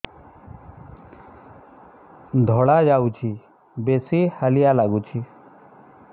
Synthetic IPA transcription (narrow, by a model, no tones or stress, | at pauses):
d̪ʱɔɽad͡ʒaut͡ʃʰi | besihəlijalaɡut͡ʃʰi